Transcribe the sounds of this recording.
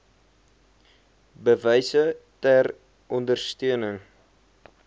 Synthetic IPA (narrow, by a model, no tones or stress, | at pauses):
bəvəjsətær | ʔɔndərstøənəŋ